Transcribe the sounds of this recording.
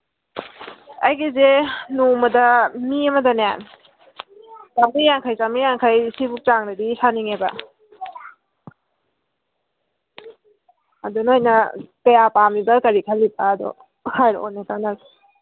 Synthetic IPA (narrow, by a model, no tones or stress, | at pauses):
a̰jɡizenumɐdɐmiɐmɐdanan | samijaŋkʰajt͡ʃamijaŋkʰajsibuk̚t͡ʃaŋdadisaniŋebɐ̰ | a̰dunojnɐtɐjapamibɐkɐɾikʰalːipaːdɔ̰ | hajɾ̰o̰natanas